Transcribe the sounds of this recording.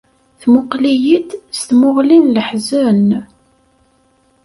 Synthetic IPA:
θmʊqlijit̪st̪mʊʁlinləħzən

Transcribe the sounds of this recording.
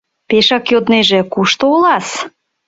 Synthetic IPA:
peʃɑkjod̪neʒĕkuʃt̪oolɑs

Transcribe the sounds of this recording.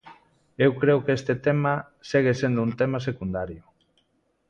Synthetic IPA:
ewkɾewkest̪et̪ema | seɣ̞esend̪ount̪emasekund̪aɾjo

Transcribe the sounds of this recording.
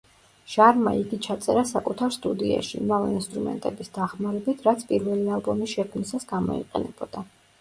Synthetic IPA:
ʃaɾma̰iɡit͡ʃʰat̪sʼɛɾasakʼut̪ʰaɾst̪ʼud̪ia̰ʃḭmavɛinst̪ʼɾumɛ̰nt̪ʼɛbisd̪aχmaɾɛbit̪ʰɾat̪sʰpʼiɾvɛlialˠbɔmisʃɛkʰmnisasɡamɔ̰ḭqʼɛ̰nɛb̥ɔd̪̥a

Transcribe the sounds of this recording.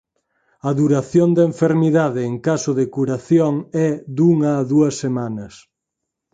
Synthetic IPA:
ɐðuɾaθjond̪eɱfeɾmiðaðɪːŋkasoðɪkuɾaθjoŋɛðuŋɐːðuɐsːemanɐs

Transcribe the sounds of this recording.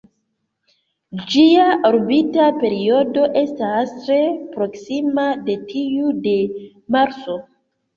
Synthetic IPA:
d͡ʒiaʔoɾbitape̞ɾio̞do̞ʔe̞stastɾe̞pɾo̞ksimade̞tʰiude̞ | maɾt͡so̞

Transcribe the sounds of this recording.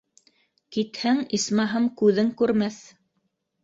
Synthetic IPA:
kit̪hæŋismɑɦɤmkʉðɘŋkʉɾmæθ

